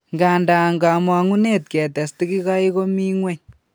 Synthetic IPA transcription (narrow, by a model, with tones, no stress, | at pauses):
ŋɡa˨nda˨ŋɡa˨mwa˨ŋu˦ne˦t̚kɛ˨tɛ˨sti˦ki˦ka˦i˦ko˦mi˦ŋwɛ˦ɲ